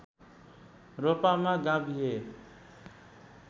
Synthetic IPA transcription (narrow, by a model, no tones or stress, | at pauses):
ɾopamaɡabʱiɦe